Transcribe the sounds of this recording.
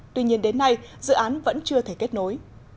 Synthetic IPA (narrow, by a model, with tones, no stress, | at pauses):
t̪wi˧ɲi˧ənɗe˨˦nːa˧jzɨ̰˧˨ʔaː˨˦nvə̰˧˥nt͡ɕɨ˧ət̪ʰe˧˩ke˦˥t̚no˨˦j